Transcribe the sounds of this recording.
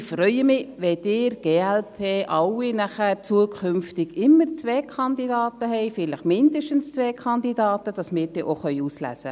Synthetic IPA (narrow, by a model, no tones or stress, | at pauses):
fɾœʏəmɪʋɛd̥ɪːɾɡ̥eːælpʰeːʔɑwinæχət͡suəkʰχʏmftɪɡɪmːəɾt͡sʋeːkʰχɑnd̪idɑːtəɦɛɪfɪləχmɪnd̪əʃtənst͡sʋɛːkʰɑndidɑːtəd̥ɑsmɪːɾdɛːʔoχœʏuslæ̰sə